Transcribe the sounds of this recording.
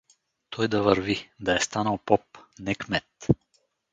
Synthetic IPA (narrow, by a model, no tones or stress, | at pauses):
t̪ʰɔjd̪ɐvəɾvid̪ɐɛst̪anəlˠpɔpnɛkmɛt̪